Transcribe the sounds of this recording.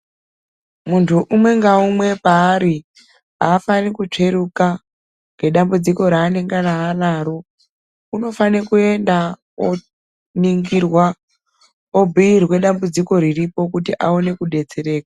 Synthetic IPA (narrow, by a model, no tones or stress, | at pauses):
muntʰuʔumwe̞ŋɡaumwe̞paːɾi | ɦaːfanikut͡ʂe̞ɾuka | ŋɡe̞ɗambud͡ziko̞ɾaːne̞ŋɡaraːlaːɾo | uno̞fanekue̞nda | o | niŋɡirwa | o̞bʱiirwe̞ɗambud͡ziko̞ɾiripo̞kutiʔaone̞kuɗe̞d͡ze̞ɾe̞ːkḁ